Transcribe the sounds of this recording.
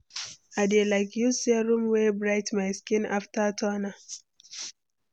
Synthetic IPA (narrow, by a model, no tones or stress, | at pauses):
adelaɪkjuseɾumwebɾajtmajskĩna̰ftatʰɔna